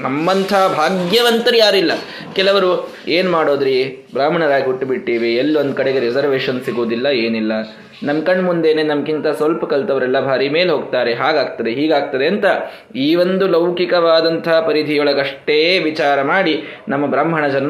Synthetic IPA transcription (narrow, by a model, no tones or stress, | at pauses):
nɐmːɐnt̪ʰɐɐbʱaːɡjɐʋɐnt̪ɐɾjaːɾilːɐ | kɛlɐʋɐɾu | eːnmaːɽo̞ːd̪ɾi | bɾaːm̤ʱɐɳɐɾaːɡiɦuʈːbiʈːiːʋielːond̪̚kɐɽeɡe̞ɾid͡ʒɐɾʋeːʂɐnsiɡuːd̪ilːɐeːnilːɐ | nɐmkɐɳɖmund̪e̞neːnɐmɐkint̪ɐsʋɐlpɐkɐlt̪ɐʋɐɾɛlːɐbʱaːɾime̞ːlɦo̞ːɡ̚t̪aːɾe̞ɦaːɡaːɡ̚t̪ɐd̪e̞ɦiːɡaːɡ̚t̪ɐd̪e̞ɐnt̪ɐ | iːʋond̪ulɐwkikɐʋaːd̪ɐnt̪ʰɐɐpɐɾid̪ʱijɔɭɐɡɐʂʈeːʋit͡ʃaːɾɐmaːɽinɐmːɐbɾaːmbʱɐɳɐd͡ʒɐn